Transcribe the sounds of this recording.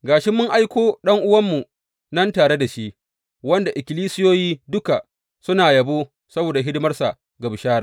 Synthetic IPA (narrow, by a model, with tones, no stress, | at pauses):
ɡaː˨ʃɪ˦mːʊ˦ŋʔa˦jkʷoː˦ɗɐ˦ŋʔʊ˦wɐ˦mːu˨ | nɐ˦ntaː˨ɽe˦da˨ʃi˦ʔ | wɐ˦nda˨ʔɪ˨kʲɪ˨liː˦sɪ˦joː˦jiː˦dʊ˦ka˨ | sʊ˦naː˨jɐ˨bo˦ | sɐ˦boː˨da˨ɦɪ˦dɪ˦mɐ˦rsa˨ | ɡa˨bɪ˨ʃaː˦ɾa̰˨